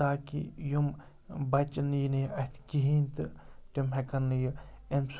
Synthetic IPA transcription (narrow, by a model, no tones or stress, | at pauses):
aːkḭjum | bɐt͡ʃɐnjiniɐt̪ʰkiɦint̪ɨtimɦekɐnːɨjɨ | ems